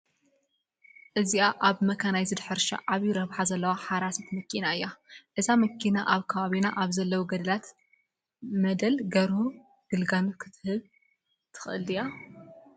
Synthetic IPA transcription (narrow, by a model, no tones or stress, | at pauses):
ʔɨziaʔaβmɐkʰanajzɨd̪ħɨɾʃa̰ʔaβjiɾɐβħazɐlːɐwaħaɾasit̪mɐkʰːinaɨjːaʔɨzamɐkʰːinaʔaβkʰɐβaβinaʔaβzɐlːɐwuɡɐd̪ɐlat̪ | mɐd̪ɐlɡɐɾhu | ɡ̥ɨlɡanukʰɨ̥t̪ʰɨhɨβ | t̪ʰɨ̥xʔɨlɨja